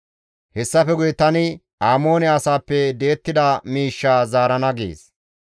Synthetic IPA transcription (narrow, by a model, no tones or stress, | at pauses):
hɛsːɐfɛɡʊjt̪ɐnɪ | aːmo̞ːnɛɐsaːpːɛd̪e̞ːt̪ːɪd̪ɐmiːʃːaːzaːɾɐnɐɡḛːs